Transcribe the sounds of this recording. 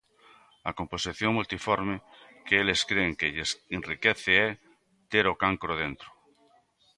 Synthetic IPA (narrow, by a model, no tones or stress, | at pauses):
akomposiθjoŋmult̪ifoɾme | keeleskɾeŋkeʎesenrikeθeɛ | t̪eɾokaŋkɾoðent̪ɾo̥